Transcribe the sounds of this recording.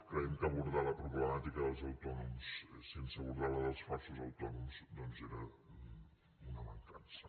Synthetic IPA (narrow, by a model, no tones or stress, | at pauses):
kɾaiŋkaβuɾðalɐpɾuβlemat̪ikaðəlˠzawt̪ɔnumssensəβuɾðaləðəlˠsfasuzawt̪ɔnumsd̪ɔnzeɾə | unamant̪ans